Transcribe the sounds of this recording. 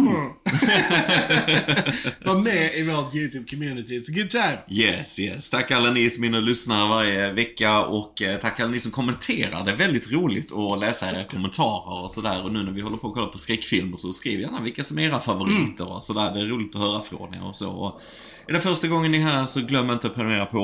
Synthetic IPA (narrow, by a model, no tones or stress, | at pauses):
vɑmɛɪvoːt̪jʉːt̪ʰʉːb̚kʰɔmjʉːnɪt̪ɪsɡʊd̪̚d͡ʒɛjɛsjɛst̪ʰakːalːanɪsɔmɪnːəlʏsnaəɾvaɾjəvɛkːaɔkːt̪ʰakːalːanɪsɔmkʰɔmːɛnt̪ʰeːɾa̰ɾɖɛːɾvɛld̪ɪt̪ɾuːlɪɡt̪ʰɔlɛːsaeːɾakʰɔmːɛnt̪ʰɑːɾəɾɔsɔd̪æːɾɔnʉ̟ːnæɾvɪhɔlːəɾpʰɔːkʰɔlːapʰɔskɾɛkːfɪlməɾʂɔskɾiːvəjanːavɪlkːasɔmɛeːɾafavʊɾiːt̪əɾɔ̰sɔd̪æːɾɖɛːɾuːlɪt̪ɔɦœːɾafɾo̰nɛ̰ɔ̰so̰ːɔ | ɛd̪ɛnfœɾʂʈaɡɔŋːənɪɦæːɾʂɔɡlœmːɾɪnt̪əpʰɾɛmɾeːɾapʰɔ